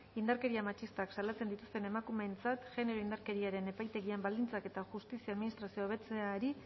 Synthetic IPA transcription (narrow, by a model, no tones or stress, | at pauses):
ind̪aɾke̞ɾiamat͡ʃist̪aksalat͡send̪it̪ust̪e̞ne̞makume̞nt͡sat̪ʝe̞ne̞ɾo̞ind̪aɾke̞ɾiaɾe̞ne̞pajt̪e̞ɣiambald̪int͡sake̞t̪aʝust̪isiaðminist̪ɾasioβe̞t͡seaɾi